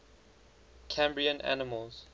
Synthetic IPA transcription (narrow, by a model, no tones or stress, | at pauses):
kʰæ̃mbɹiə̃nʔa̰nɪməlˠz̥